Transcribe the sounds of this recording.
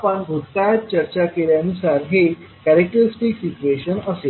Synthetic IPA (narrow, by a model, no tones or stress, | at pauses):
apəɳbʱut̪kajət̪̚t͡ɕəɾt͡ɕakeljaənusaɾɦe | kæɾek̚ʈəɾisʈiksit͡ɕueɕənəse